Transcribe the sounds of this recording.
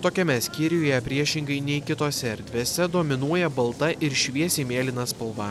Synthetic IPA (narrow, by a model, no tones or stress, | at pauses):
t̪oːkʲɛmʲɛsʲkʲɪɾʲɪjoːjɛpʲɾʲiɛʃʲɪŋɡɐɪnʲɛɪkʲɪt̪oːsʲɛɛɾʲd̪ʲʋʲeːsʲɛd̪oːmʲɪnuɔjɛbɐlˠt̪ɐʔɪɾʃʲʋʲiɛsʲeːmʲeːlʲɪnɐspɐlˠʋɐ